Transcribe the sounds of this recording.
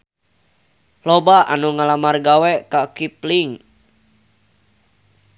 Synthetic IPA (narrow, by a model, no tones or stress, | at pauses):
lobaʔa̰nuŋalamarɡawɛkakipliŋ